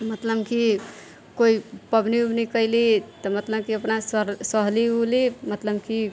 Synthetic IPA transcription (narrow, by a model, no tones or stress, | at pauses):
mət̪ləbki | koipəbniubnikəɪlit̪əmət̪ləbkiəpnassəɦliɦulimət̪ləbki